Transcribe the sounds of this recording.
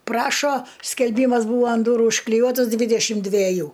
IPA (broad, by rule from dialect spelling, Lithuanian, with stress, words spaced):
ˈprɑːʃoː sʲkʲɛlʲˈbʲiːmɐs ˈbuːʋɐ ɐn ˈduːrʊ ʊʃklʲɪˈjuɔtɐs ˈdʲʋʲiːdʲɛʃʲɪm dʲʋʲɛˈjuː